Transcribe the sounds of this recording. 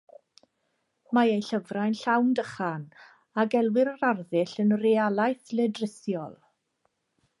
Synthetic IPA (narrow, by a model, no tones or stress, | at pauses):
maejɬəvrajnɬawndəχan | aɡɛlˠwɪɾəɾarðɪɬənrealˠajθlɛdrɪsjɔlˠ